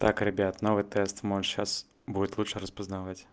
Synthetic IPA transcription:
t̪akrɨbʲat̪nɔvɨt̪ɛst̪mɔnɕas | budʲɪt̪ʲlˠuʂɨɾɐspɐznavat͡sʲ

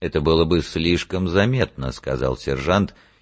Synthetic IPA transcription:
ɛt̪əbɨlˠəbɨsʲlʲiʂkəmzɐmʲe̞t̪̚nəskɐ̰za̰lˠsʲɪrʐant̪

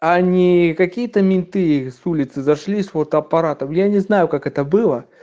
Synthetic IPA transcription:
anʲikakʲijət̪ɐmʲinʲt̪ɨjsulʲɪt̪sɨzaʂlʲisvort̪ɐɐpaɾat̪ɐmjanʲɛznajʊkakɛt̪ɐbɨlˠɐ

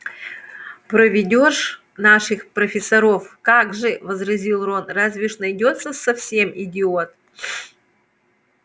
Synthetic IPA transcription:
pɾəvʲɪdʲoʂ | naʂɨxpɾəfʲɪsɐɾofkaɡʐɨvəzrɐzʲilˠronrazʲvʲɪʂnɐjdʲo̞t̪səsɐfsʲe̞mɪdʲɪot̪̚

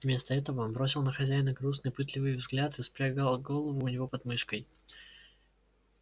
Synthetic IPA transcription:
vmʲe̞st̪əɛt̪əvəo̞nbɾo̞sʲɪlˠnəxɐzʲæjɪnəɡɾus̬nɨjpɨt̪lʲɪvɨjvzɡlʲat̪ɨspɾʲaɡalˠɡo̞lˠəvʊːnʲɪvo̞pɐd̪mɨʂkəj

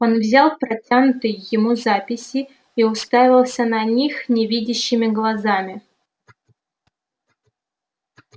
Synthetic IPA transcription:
o̞nvzʲalˠpɾɐtʲanʊt̪ɨjːɪmuzapʲɪsʲɪ | iʊst̪avʲɪlˠsʲənɐnʲixnʲɪvʲidʲɪɕːɪmʲɪɡlˠɐzamʲɪ

